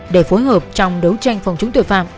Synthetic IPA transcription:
ɗe˧˩fo˨˦jɦəː˨˩p̚t͡ɕɔ˧wŋ͡mɗə˨˦wt͡ɕa˧jŋ̟fə˨˩wŋ͡mt͡ɕʊ˨˦ŋ͡mt̪ḭ˧˨˩faː˧˩m

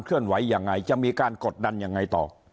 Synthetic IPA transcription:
nkʰɯ˥˩ənwa˩˦˥jːaː˨˧ŋːa˧jt͡ɕa˨˩ʔmiː˧kaː˧nko˨˩t̪̚da˧nja˧ŋːa˧jt̪ɔ̰ː˨˩

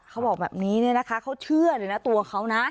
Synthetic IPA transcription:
kʰa˦˥wbɔː˨˩k̚bɛː˨˩p̚niː˦˥ni˦˩ɐna˦˥kʰa˦˥kʰa˦˥wt͡ɕʰɯ˥˩ɐlɤː˧˩jna˦˥t̪u˧ɐkʰa˦˥wna˦˥

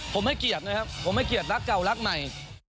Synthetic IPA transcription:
pʰo˨˩˦mha˥˩jki˨˩ət̪̚nɯː˧˦˥jka˦˥pʰo˨˩˦mha˥˩jki˨˩ət̪̚ɾa˦˥kːa˨˩wla˦˥k̚ma˨˩j

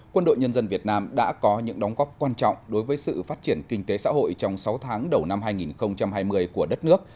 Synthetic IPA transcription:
kwə˧nɗo̰˧˨jɲə˧nzə˧nvi˨˩ət̚naː˧mɗa̰ː˧˥kɔ˨˦ɲɨ̰˧˥ŋɗɔ˨˦wŋ͡mɣɔ˦˥p̚kwaː˧nt͡ɕɔ̰˧˨wŋ͡mɗo˨˦jvəː˨˦jsɨ̰˧˨faː˦˥t̚t͡ɕi˧˩ənkï˧ŋt̪e˨˦sa̰ː˧˥ɦo̰˧˨jt͡ɕɔ˧wŋ͡msa˨˦wt̪ʰaː˨˦ŋɗə˨˩wna˧mɦaː˧jŋi˨˩nxə˧wŋ͡mt͡ɕa˧mɦaː˧jmɨ˧əjku˧˩əɗə˦˥t̚nɨ˦˥ək̚

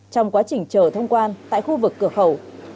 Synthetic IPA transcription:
t͡ɕɔ˧wŋ͡mkwaː˨˦t͡ɕï˨˩ŋ̟t͡ɕəː˧˩t̪ʰə˧wŋ͡mkwaː˧nt̪a̰ː˧˨jxu˧vɨ˨˩kːɨ˧˩əxə˧˩w

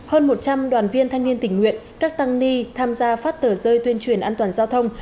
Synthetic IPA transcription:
həː˧nmo˨˩t̚t͡ɕa˧mɗwaː˨˩nvi˧ənt̪ʰa˧ŋni˧ənt̪ï˧˩ŋ̟ŋwḭ˧˨ənkaː˦˥k̚t̪a˧ŋni˧t̪ʰaː˧mzaː˧faː˦˥t̚t̪əː˧˩zəː˧jt̪wi˧ənt͡ɕwi˨˧˩ənʔaː˧nt̪waː˨˩nzaː˧wt̪ʰə˧wŋ͡m

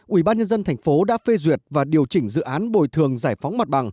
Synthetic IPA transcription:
ʔwi˧˩ɓaː˧nɲə˧nzə˧nt̪ʰɛ˨˩jŋ̟fo˨˦ɗa̰ː˧˥fe˧zwi˨˩ət̚vaː˨˩ɗi˨˩əwt͡ɕï˧˩ŋ̟zɨ̰˧˨ʔaː˨˦nɓo̰˧˨jt̪ʰɨ˨˩əŋzaː˧˩jfɔ˨˦wŋ͡mma˨˩t̚ɓa̰˨˩ŋ

